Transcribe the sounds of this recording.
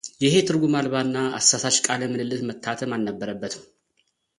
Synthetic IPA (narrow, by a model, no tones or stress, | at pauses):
jɪɦe̞t̪ʰɨɾɡumalβaɨnːaa̰sːasat͡ʃkʼaləmɨnɨlːɨt̪mət̪ʰːat̪ʰəmanːəbːəɾəbːət̪ʰ